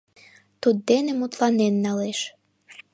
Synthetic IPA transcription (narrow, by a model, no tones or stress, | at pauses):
t̪ud̪d̪enemut̪lɑnenːɑleʃ